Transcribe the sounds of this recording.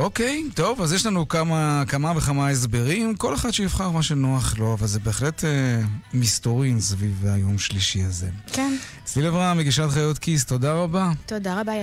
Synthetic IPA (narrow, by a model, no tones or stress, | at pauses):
ʔoke̞jto̞vazjeʃlanukamakamaveχamaes̬be̞ʁimko̞le̞χad̥̪ʃejifχaʁmaʃenoaχlo̞avalzebe̞ːχletemistoʁimsvivajo̞mʃliʃiazḛken | slilevʁameɡiʃatχajotkist̪o̞daʁabat̪odaʁaba